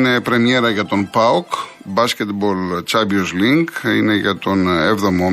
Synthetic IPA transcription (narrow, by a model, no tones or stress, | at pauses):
ne̞pɾe̞mie̞ɾɐʝɐt̪o̞npɐok | bɐscʲe̞t̪bolt͡ʃɐbiozliŋkḭne̞ʝɐt̪o̞nevðo̞mo